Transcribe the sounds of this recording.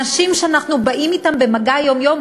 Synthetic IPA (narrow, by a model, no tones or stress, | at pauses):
ɐʃimʃanaqnubɐʔimit̪ambɛmɐɡajomjom